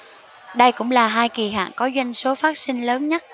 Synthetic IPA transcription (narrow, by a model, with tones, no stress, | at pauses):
ɗə˧jkʊ̰˧˥ŋ͡mlaː˨˩ɦaː˧jki˨˩ɦa̰ː˧˨ŋkɔ˨˦zwa˧jŋ̟so˨˦faː˦˥t̚sï˧ŋ̟ləː˨˦nɲə˦˥t̚